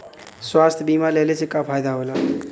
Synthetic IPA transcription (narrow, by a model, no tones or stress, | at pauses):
swast̪ʰjbimalelet͡sikapʰajd̪aɦola